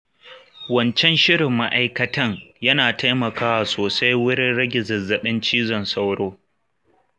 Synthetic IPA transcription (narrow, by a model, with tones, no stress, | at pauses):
wɐ˦nt͡ʃɛ˦nʃɪ˦ɽɪ˨mːa˦ʔa˦jkɐ˦tɐ˦ŋjɐ˦naː˨ta˦jmɐ˨kaː˦wa˨soː˨sa˦jwʊ˦ɽɪ˦nɽɐ˦ɡʲɪ˨zɐ˨zːɐ˨ɓɪ˦nt͡ʃiː˦zɔ˨nsa˦wɽoː˦